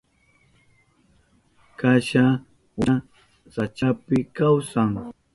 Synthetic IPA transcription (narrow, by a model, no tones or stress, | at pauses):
kaʃa | wa | sat͡ʃapɪkawsaŋ